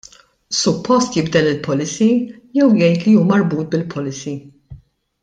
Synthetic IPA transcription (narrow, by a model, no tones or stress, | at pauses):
sʊpːɔst̪jɪbd̪ɛlːɪlpʰɔlɪsi | jɛwjɛjt̪lijuːmɐɾbuːt̪̚bɪlpʰɔlɪsi